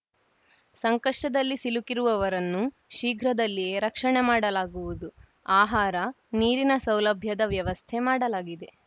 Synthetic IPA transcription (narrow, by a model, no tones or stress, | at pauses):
sɐŋkɐʂʈɐd̪ɐlːisilukiɾuʋɐʋɐɾɐnːu | ʃiːɡʱɾɐd̪ɐlːije̞ːɾɐkʂɐɳemaːɽɐlaːɡuʋud̪u | aːɦaːɾɐ | niːɾinɐsɐwlɐbʱjɐd̪ɐʋjɐʋɐst̪ʰemaːɽɐlaːɡid̪e̞